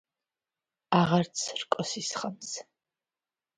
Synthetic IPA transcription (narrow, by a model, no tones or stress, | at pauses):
aʁaɾt̪sʰrkʼɔsisχams